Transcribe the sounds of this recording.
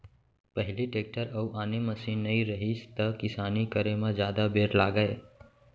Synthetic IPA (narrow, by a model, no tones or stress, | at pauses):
pəɦɪliʈeːk̚ʈəɾɐuʔaːneməsiːnːəĩɾəɦist̪əkɪsaːnikəɾemãd͡ʒjaːd̪abeːɾlaːɡəe